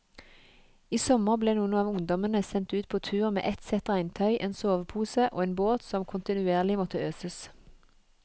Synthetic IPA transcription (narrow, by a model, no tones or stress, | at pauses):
iːsɔməʁbleːnuːənɑːʋʊŋd̪ɔmənəsɛnt̪ʉːt̪̚pʰoːt̪ʰʉːʁmḛːʔɛt̪sɛt̪ʁæɪnt̪ʰœʏʔeːnsoːʋpʰuːsəʔo̰ːeːnboːt̪sɔmkʰʊnt̪ɪnʉeːʁlɪmɔt̪əøːsəs